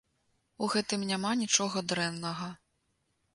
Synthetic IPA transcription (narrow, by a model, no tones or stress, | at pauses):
uɣɛt̪ɨmnʲamanʲit͡ʂɔɣɐd̪ɾɛnːɐɣɐ